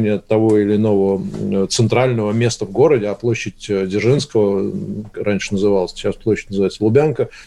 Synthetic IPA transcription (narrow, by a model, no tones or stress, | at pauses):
nʲɪjət̪ɐvoɪlʲɪːno̞vət̪sɨnt̪ɾalʲnəvəmʲe̞st̪əvɡo̞ɾədʲɪaplˠoɕːɪtʲdʲɪrʐɨnskəvə | ɾʔanʲʂɨnəzɨvalˠəsʲt͡ɕːasplˠoɕːɪtʲnzɨvajɪt̪səlˠʊbʲankə